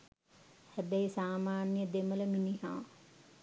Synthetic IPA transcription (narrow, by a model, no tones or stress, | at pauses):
hæbɛjsaːmaːnjəd̪emələminiɦa̰ː